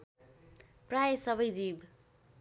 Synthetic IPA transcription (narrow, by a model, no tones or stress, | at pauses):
prajsʌbʌjdib